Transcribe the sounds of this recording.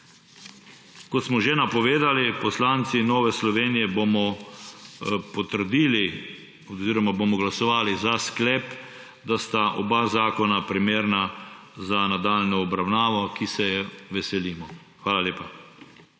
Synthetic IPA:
kɔt̪smɔʒenapɔʋeːd̪alipɔslaːnt̪sinːoːʋɛslɔʋeːnijɛbomɔ | pɔt̪əɾd̪iːli | ɔziːɾɔmabomɔɡlasɔʋaːlizasklɛːp | d̪ast̪aʔɔ̰bazaːkɔnapɾimeːɾna | zanad̪aːlnɔɔbɾawnaːʋɔkisɛjɛʋɛsɛliːmɔ | xʋaːlaleːpa

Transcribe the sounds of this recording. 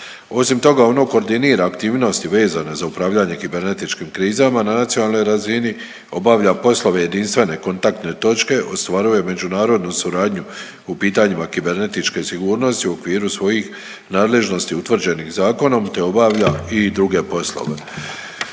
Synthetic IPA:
o̞simt̪o̞ɡao̞no̞ko̞ɾd̪iniːɾaːkt̪iːʋno̞st̪iʋe̞ːzane̞zaupɾaːʋʎaɲe̞kibe̞ɾne̞t̪it͡ʃkiːmkɾiːzamananat̪sionaːlˠno̞jɾazini | o̞baʋʎapo̞slˠo̞ʋe̞je̞d̪inst̪ʋe̞ne̞ko̞nt̪ak̚t̪ne̞t̪o̞t͡ʃke̞ʔo̞st̪ʋaɾuje̞me̞d͡ʒunaːɾo̞d̪nusuɾaːd̪ɲu | upiːt̪aɲimakibe̞ɾne̞t̪it͡ʃke̞siɡuːɾno̞st̪iuo̞kʋiːɾusʋo̞jix | naːd̪le̞ʒno̞st̪iut̪ʋr̩d͡ʑe̞nixzaːko̞no̞mt̪e̞o̞baʋʎaid̪ɾuɡe̞po̞slˠo̞̰ʋe̞̰

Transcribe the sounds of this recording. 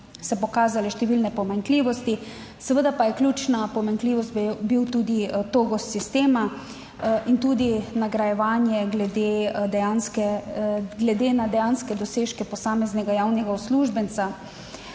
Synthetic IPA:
sɛpɔkaːzalɛʃt̪ɛʋilnɛpɔmaŋkliːʋɔst̪i | sɛʋəd̪apajɛklʲuːt͡ʃnapɔmaŋkliːʋɔst̪bbiwt̪uːd̪it̪oɡɔsist̪eːma | int̪uːd̪inaɡɾajɛʋaːnjɛɡlɛd̪ed̪ɛjanskɛ | ɡlɛd̪enad̪ɛjaːnskɛd̪ɔseːʃkɛpɔsaːmɛznɛɡajawnɛɡaɔsluːʒbɛnt̪sa

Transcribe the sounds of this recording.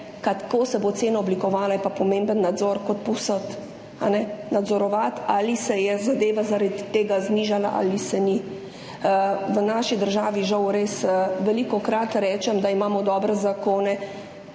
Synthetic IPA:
kat̪koːsɛbot̪seːnaɔblikɔʋaːlajɛpapɔmeːmbənːad̪zɔɾkɔt̪̚pɔwsət̪ | anɛnad̪zɔɾɔʋat̪aːlisɛjɛzad̪eːʋazaɾad̪t̪ːeːɡazniːʒala̰ʔa̰lisɛni | ʋənaʃid̪əɾʒaːʋiʒawɾesʋɛlikɔkɾat̪ɾɛːt͡ʃɛmd̪aimaːmɔd̪ɔːbɾɛzakoːnɛ

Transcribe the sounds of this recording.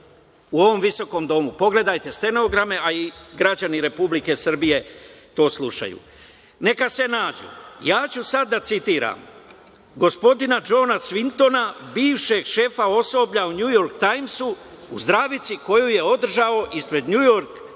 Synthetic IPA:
uo̞ʋo̞mʋiso̞ko̞md̪o̞mupo̞ɡle̞d̪ajt̪e̞st̪e̞noɡɾame̞ʔaiɡɾad͡ʑaniɾe̞publike̞sr̩bije̞t̪o̞ːslˠuʃa̰jṵ | ne̞kase̞naːd͡ʑṵjaːt͡ɕusad̪ːat̪sit̪iːɾa̰ːm | ɡo̞spo̞d̪inad͡ʒo̞ːnasʋint̪o̞nabiːʋʃe̞ɡʃe̞fao̞so̞bʎauɲujo̞ɾkt̪ajmsu | uzd̪ɾaːʋit̪siko̞juje̞o̞d̪r̩ʒao̞ʔispɾe̞d̪ɲujo̞ɾk

